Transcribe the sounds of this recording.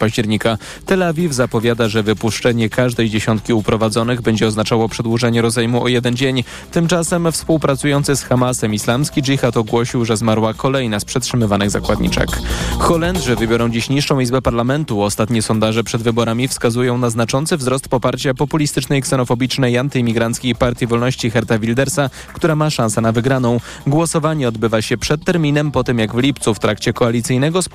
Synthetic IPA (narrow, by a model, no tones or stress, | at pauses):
paʑd͡ʑɛɾɲika | t̪ɛlavʲivzapɔvʲjad̪aʐɛvɘpuʂt͡ʂɛɲɛkaʐd̪ɛjd͡ʑeɕɔ̃nt̪̚kʲiupɾɔvad̪zɔnɘɣbɛɲd͡ʑɛɔznat͡ʂawɔpʂɛd̪wuʐɛɲɛɾɔzajmuʔɔjɛd̪ɛnd͡ʑeɲ | t̪ɘmt͡ʂasɛmfspuwpɾat̪sujɔnt̪sɘsxamasɛmislamskʲid͡ʐixat̪ɔɡwɔɕiwʐɛzmaɾwakɔlɛjnaspʂɛtʂɘmɘvanɘɣza̰kwad̪ɲḭt͡ʂɛ̰kxɔlɛnd̪ʐɘvɘbʲjɔɾɔ̃w̃d͡ʑiɕɲiʂʂɔ̃w̃izbɛpaɾlamɛnt̪uɔst̪at̪ɲɛsɔnd̪aʐɛpʂɛd̪vɘbɔɾamʲifskazujɔ̃w̃naznat͡ʂɔnt̪sɘvzɾɔst̪̚pɔpaɾt͡ɕapɔpulʲist̪ɘt͡ʂnɛjksɛnɔfɔbʲit͡ʂnɛjant̪ɘmʲiɡɾant̪skʲejpaɾt̪ʲivɔlnɔɕt͡ɕixɛɾt̪avʲild̪ɛɾsa | kt̪uɾamaʂãnsɛnavɘɡɾanɔ̃w̃ | ɡwɔsɔvaɲɛɔd̪bɘvaɕɛpʂɛt̪ːɛɾmʲinɛmpɔt̪ɘmjaɡvlʲipt̪suft̪ɾakt͡ɕɛkɔalʲit̪sɘjnɛɡɔ